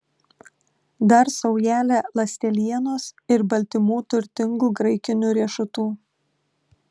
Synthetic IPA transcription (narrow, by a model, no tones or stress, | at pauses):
d̪ɐɾsɒʊjæːlʲelˠɐsʲt̪ʲɛlʲiɛnoːsɪɾbɐlʲt̪ʲɪmuːt̪ʊɾʲt̪ʲɪŋɡuːɡɾɐɪkʲɪnʲuːɾʲiɛʃʊt̪uː